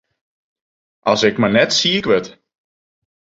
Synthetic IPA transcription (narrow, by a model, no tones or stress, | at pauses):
ʔɑlˠsɪkmanɛtsiəkʋət